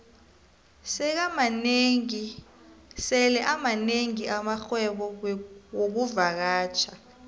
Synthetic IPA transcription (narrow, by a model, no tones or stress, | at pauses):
sɛk̬amaneŋi | sɛlɛʔamaneŋiamaxwɛɓɔwok̬uvak̬aːt͡ʃʰa